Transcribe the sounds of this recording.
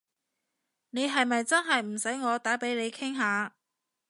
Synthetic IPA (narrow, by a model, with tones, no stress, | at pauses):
ne˨˧jɦɐ˨jmɐ˨jt͡sɐ˥nɦɐ˨jm̩˨˩sɐ˨˥jŋɔː˨˧t̪aː˨˥pe˨˥jle˨˧jkʰɪ˥ŋɦaː˨˧